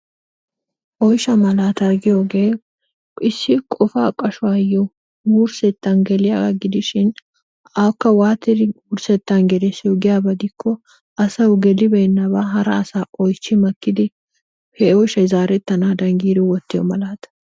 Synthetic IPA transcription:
ʔɔjʃɐmɐlaːt̪ɐɾɡɪjoɡe̞ː | ɪsːɪkʼɔfaːkʼɐʃʊwaːjːɔ | wuːɾsɛt̪ːɐnɡɛlɪjaɡɐɡɪd̪ɪʃɪn | aːkːɐwaːt̪ːɪd̪ɪwʊɾsɛt̪ːɐnɡɛd̪ɛsɪjoɡɪjaːbɐd̪ɪkʰːɔ | ʔɐsɐwɡɛlɪbɛjnːɐbaːɦɐɾɐːsaːʔɔjt͡ʃːɪmɐkːɪd̪ɪ | hɛɔjʃɐjzaːɾɛt̪ːɐnaːd̪ɐŋɡiːd̪ɪwɔt̪ːɪjɔ̰mɐlaːt̪

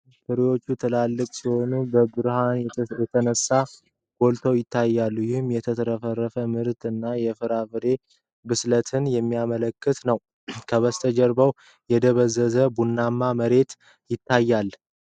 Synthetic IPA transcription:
fɨɾiwo̞t͡ʃːut̪ʰɨlalːɨkʼsiho̞nubəbɨɾhanjɛt̪ʰənəsːa | ɡ̥o̞lt̪ʰowjɪt̪ʰːajːalːujɪhɨmjɛt̪ʰət̪ʰəɾəfərːəfəmɨɾt̪ɨnːajɛfɨɾavɨɾe̞ | bɨslət̪ʰɨnjɛmːijamələkːɨt̪nəw | kʰəβəst̪ʰəd͡ʒəɾbəw | jɛd̪əβəzːəzəbunːamːaməɾe̞t̪ | jɪt̪ːajːal

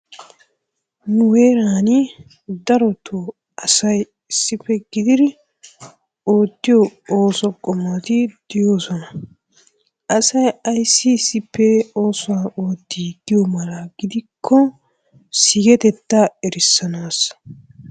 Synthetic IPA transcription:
nʊwe̞ːɾaːnɪ | d̪ɐɾɔt̪ʰo | ɐsɐj | ɪsːɪpːɛɡɪd̪ɪd̪ɪ | oːt̪ːɪjɔoːsɔkʼːɔmat̪ɪd̪̥ɪjo̞ːsɔnɐ | ʔɐsɐjɐjsːɪsːɪpːɛoːsɔwao̞ːt̪ːiːd̪ɪjɔmɐlɐɡɪd̪ɪkʰːɔ | sɪɡɛt̪ɛt̪ːaɛɾɪsːɐnaːs

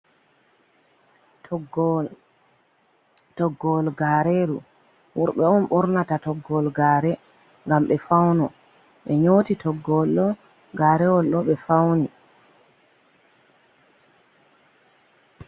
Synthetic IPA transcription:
ɡ | tɔɡːɔlɡaɾeɾu | wɔɾɓɛɔnɓɔɾnatatɔɡːɔlɡaːɾɛ | ŋɡamɓɛfawnɔ | ɓɛɲoːtitɔɡːɔlɗɔ | ɡaːɾɛwɔlɗɔɓɛfawni

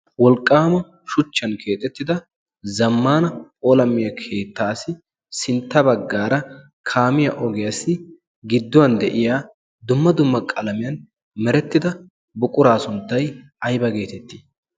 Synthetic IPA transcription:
wɔlkʼːaːmɐ | ʃʊt͡ʃːɐnkʰeːt̪ʼːɛt̪ːɪd̪ɐ | zɐmːaːnɐoːlɐmːɪjɐkʰe̞ːt̪ːaːsɪ | sɪnt̪ːɐbɐɡːaːɾɐ | kʰaːmɪjɐʔɔɡɛjɐsɪ | ɡɪd̪ːʊwɐnd̪ɛʔɪjaː | d̪ʊmːɐd̪ʊmːɐkʼɐlɐmɪjɐn | mɛɾɛt̪ːɪd̪ɐ | bʊkʼʊɾaːsʊnt̪ːɐj | ɐjbɐɡe̞ːt̪ɛt̪ːi

